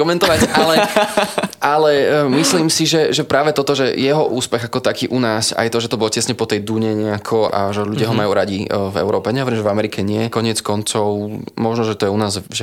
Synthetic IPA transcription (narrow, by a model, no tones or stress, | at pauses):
kɔmɛnt̪ɔʋacalɛ | alɛmisliːmsiʒɛʒɛpɾaːʋɛt̪ɔt̪ɔʒɛ̰jɛɦɔʔuːspɛɣakɔt̪akiːʔunaːsa̰jt̪ɔʒɛt̪ɔbɔlcɛsɲɛpɔt̪ɛjd̪uɲɛɲɛakʰɔʔa̰ʒɛʎuɟɪaɦɔmajuːɾaɟivɛ̰ʊɾɔːpɛɲɛɦɔʋɛɾimʒɛvamɛɾikɛɲɪɛkɔɲɪɛt͡skɔnt͡sɔʊmɔʒnɔʒɛt̪ɔjɛunaːzʒɛ